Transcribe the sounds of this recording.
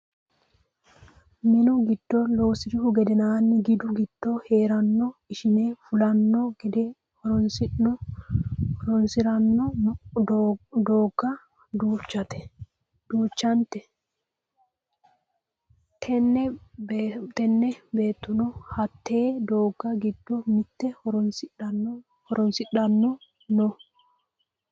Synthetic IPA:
mɪnʊɡɪd̪̥ːɔloːsɪd̪ɪhʊɡɛd̪ɛnaːnːɪɡɪd̪ʊɡɪd̪̥ːɔhe̞ːɾɐnːɔɪʃɪneːfʊlɐnːɔɡɪd̪ɛ | hɔɾɔnsɪɔ | ɔɾɔnsɪɾɐnːɔd̪d̪oːɡːɐ | d̪uːt͡ʃːɐt̪ɛ̥ | d̪̥uːt͡ʃːɐnt̪ɛ | tʰɛnːɛbt̪ɛnːɛbe̞ːt̪ːʊnɔhɐt̪ːeːd̪oːɡːɐɡɪd̪ːɔmɪt̪ːɛhɔɾɔnsɪɐ | hɔɾɔnsɪɗɐnːɔ | nɔ

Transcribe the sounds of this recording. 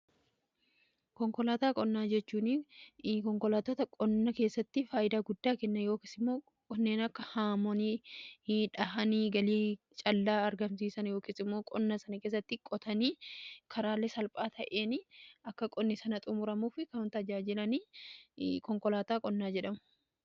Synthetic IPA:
kɔŋkɔlaːt̪aːkʼɔnːaːd͡ʒɛt͡ʃːuːnɪkɔŋkɔlaːt̪ot̪ɐkʼɔnːɐke̞ːsːɐt̪ːɪfaːjɪd̪aːɡʊd̪ːaːkɛnːɐjo̞ːki̥ːsɪmːo̞ː | kʼɔnːeːnɐkːɐhaːmɔni | ᶑɐhɐniːɡɐliː | t͡ʃʼɐlːaːɐɾɡɐmsiːsɐnjoːkiːsɪmːo̞ːkʼɔnːɐsɐnɐkeːs̬ːɐt̪ːɪkʼɔt̪ɐniːkʰɐɾaːlːɛsɐlpʼaːt̪ʰɐʔe̞ːnɪɐkːɐkʼɔnːɪsɐnɐt̪ʼʊmʊɾɐmuːfɪkɐnt̪ɐd͡ʒaːd͡ʒɪlɐniː | kɔŋkɔlaːt̪aːkʼɔnːaːd͡ʒɛᶑɐmʊ̥

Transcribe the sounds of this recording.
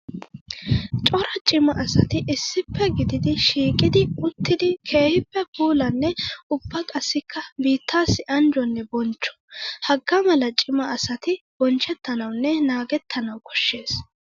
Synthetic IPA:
t͡ʃʼɔɾɐt͡ʃʼɪmɐʔɐsɐt̪ɪʔɪsːɪpʰːɛɡɪd̪ɪd̪ɪʃiːkʼɪd̪ɪʊt̪ʰːɪd̪ɪkʰe̞ːhɪpːɛpuːlɐnːɛʊbːɐkʼɐsːɪkːɐbiːt̪ːaːsːɪʔɐnd͡ʒɔnːɛbɔnt͡ʃːɔ̥hɐɡːɐmɐlɐt͡ʃʼɪmɐɐsɐt̪ɪb̥ɔnt͡ʃːɛt̪ːɐnɐwnːɛnaːɡɛt̪ʰːɐnɐwkʰɔ̥ʃːe̞ːs

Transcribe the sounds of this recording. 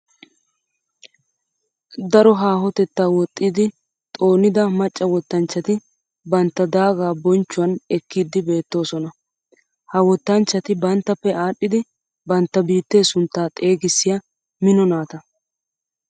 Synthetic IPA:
d̪ɐɾɔɦaːɦɔt̪ɛt̪ːaːwɔt̪ʼːid̪ɪ | t̪ʼo̞ːnɪd̪ɐmɐt͡ʃʼːɐwɔt̪ːɐnt͡ʃːɐt̪ɪ | bɐnt̪ːɐd̪aːɡaːbɔnt͡ʃːʊwɐnɛkːiːd̪ɪbe̞ːt̪ːo̞ːsɔnɐ | hɐwɔt̪ːɐnt͡ʃːɐt̪ɪbɐnt̪ːɐpːɛaːɗːɪd̪ɪ | bɐnt̪ːɐbiːt̪ːe̞ːsʊnt̪ːaːt̪ʼe̞ːɡɪsːɪjɐ | mɪnɔnaːt̪ɐ

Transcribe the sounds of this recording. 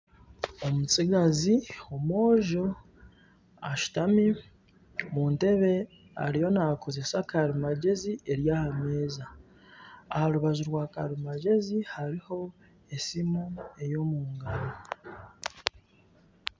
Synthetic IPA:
o̞mut͡siɡaziomo̞ːʒo̞ | aʃu̥tami | muːnte̞βe̞ | a̰ɾijo̞nako̞ze̞sakaɾimaɟe̞ziʔeɾjaːhame̞ːzaː | haɾuβaʒuɾwaːkaɾimaɟe̞zihaɾiho̞ | esimue̞jo̞muːŋɡaɾo

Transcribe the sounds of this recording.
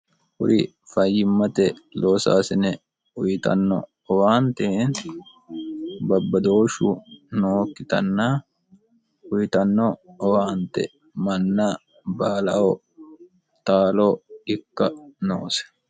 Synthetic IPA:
hʊ̰ɾɪ | fɐjːɪmːɐt̪ɛloːsa̰ːsɪnɛ | ʊjɪt̪ɐ̰nːɔ̰ | ɔwaːnt̪eːn | bɐbːɐd̪o̞ːʃṵnoːkːɪt̪ɐ̰nːaː | ʊjɪt̪ɐnːɔːwaːnt̪ɛ̰ | mɐnːa | baːlɐo | t̪aːloɪkːɐnoːsɛ̥

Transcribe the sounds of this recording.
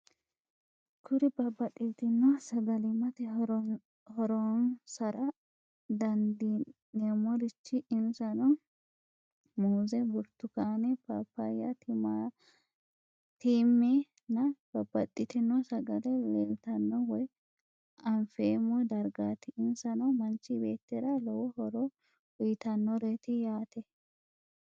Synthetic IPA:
kʰʊɾɪbɐbːɐt̪ʼːit̪ɪnːɔsɐɡɐlɪmɐt̪ɛɾ | hɔɾɔnsɐɾɐ | d̪ɐnd̪inemɔɾɪt͡ʃːɪʔɪmsɐnɔ | muːzɛbʊɾt̪ːʊkaːnɛpapːajɐt̪a | t̪iːmːeː | nɐb̥ɐbɐt̪ʼːɪt̪ɪnɔsɐɡɐd̪ɛleːmt̪ɐnːɔwɔj | ɐnfeːmɔd̪ɐɾɡaːt̪ɪːnsɐnɔmɐnt͡ʃːɪbeːt̪ːɛɾɐlɔwɔhɔɾɔ | ʊjɪt̪ɐnːɔɾeːt̪ɪjaːt̪ɛ

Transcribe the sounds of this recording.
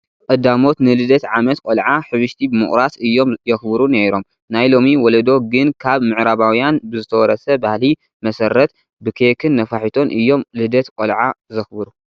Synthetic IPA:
kʼɨd̪amo̞t̪nɨlɨd̪ɐt̪ʕamɐt̪kʼolʕaħɨβɨʃt̪ʰibɨmɨ̰χʼɾasɨjːo̞mjɐxbɨɾuneɾo̞m | najlo̞miwɔlɐd̪o̞ɡɨnkʰaβmɨʕɾaβawjanbɨzɨt̪ʰɐwɔɾɐsɐbahli | mɐsɐɾɐt̪ | bɨkʰekʰɨnːɐfaħit̪ʰo̞nʔɨjːo̞mlɨd̪ɐt̪kʼolʕazɨxbɨɾu

